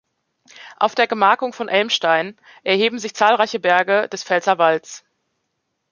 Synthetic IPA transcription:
ʔaʊfd̥eːɐɡəmaɐkʊŋfɔnʔɛlmʃtaɪn | ʔɛɐhɦeːbm̩zɪçt͡saːlʁaɪçəbɛɐɡəd̥ɛsfɛlzɐvalt͡s

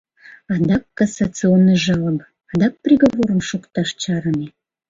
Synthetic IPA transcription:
ɑd̪ɑkːɑsat͡sɨonːɨʒɑləm | ɑd̪ɑk̚prʲiɣoβoɾəmʃukt̪ɑʃt͡ɕɑɾəne

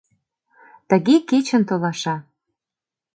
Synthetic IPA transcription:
t̪ə̆ɣeket͡ɕə̆nt̪olɑʃɑ

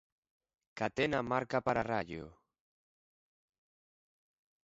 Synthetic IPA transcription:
kat̪enamaɾkapaɾaraʎjo̰

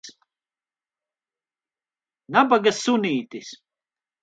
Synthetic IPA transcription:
nabaɡasːuniːt̪is

